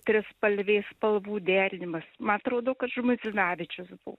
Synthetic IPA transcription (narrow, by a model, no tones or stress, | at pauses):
t̪ʲɾʲɪspɐlʲʋʲeːspɐlˠʋuːd̪ʲæːɾʲɪnʲɪmɐsmɐnɐt̪ɾoːd̪oːkɐt̪ʒʊmʊɪzʲɪnɑːʋʲɪt͡ʃʲʊsbʊ̰ʋo